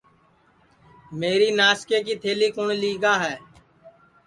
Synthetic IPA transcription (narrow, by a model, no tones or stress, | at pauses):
meːɾiːnaːskeːkiːt̪ʰeːliːkʊɳliːɡaːɦɛː